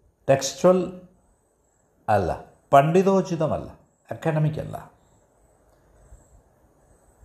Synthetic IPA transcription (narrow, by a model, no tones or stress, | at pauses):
tekstuɐl | ɐlːɐ̰ | pɐɳɖiðoːt͡ɕiðɐmɐ̰lːɐ̰ | ekːɐnɐmikʲːɐ̰lːɐ̰